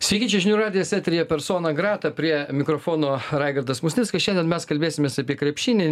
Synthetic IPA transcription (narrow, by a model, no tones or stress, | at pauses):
sʲʋʲiːkʲiːnʲt͡ʃʲɛʒʲɪnʲuːɾɑːd̪ʲɪjɛsʲæːt̪ʲɾʲɪjɛpʲɛɾsoːnɐɡɾɑːt̪ɐpʲɾʲiɛmʲɪkɾoːfoːnoːɾɑɪɡɐɾd̪ɐsmʊsʲnʲɪtskɐʃɛndʲɛnmʲɛskɐlʲbʲeːsʲɪmʲeːsɐpʲiɛkɾʲɛpʲʃʲinʲɪ